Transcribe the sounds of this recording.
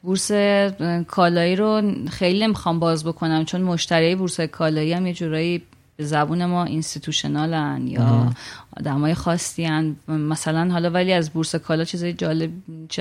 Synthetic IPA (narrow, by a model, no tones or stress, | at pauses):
buɾse̞kʰɒːlɒːiːɾoxejline̞mixɒmbɒːzbo̞kʰo̞næmt͡ʃʰo̞nmo̞ʃt̪æɾijebuɾsɒːjekʰɒːlɒːiæmje̞d͡ʒuɾɒːjiː | b̥e̞zæbuːne̞mɒːʔinst̪it̪ʰuʃonɒːlænjɒ̰ːd̪æmɒːjexɒːsːiænmæsælænɦɒːlɒːvæliæzbuɾsekʰɒːlɒt͡ʃʰizɒːjed͡ʒɒːle̞bt͡ʃʰe